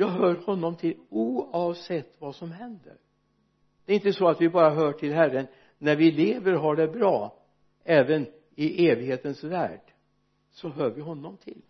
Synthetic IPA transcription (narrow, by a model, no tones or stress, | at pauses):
jɑːɡɦœːɾhɔnːɔmt̪ʰɪluːɑvsɛt̪ːvasɔmɦɛnd̪ə̰ɾ | d̪̥ɛɾɪnt̪əsɔat̪vɪbɑːɾaɦœːʈʰɪlɦærːənː | æɾvɪleːvəɾɦaɖɛbɾɑː | ɛːvən | ɪʔeːvɪɡheːt̪ənsvæ̰ːɖ̥ | sɔɦœːɾvɪɦɔnːɔmt̪ʰɪl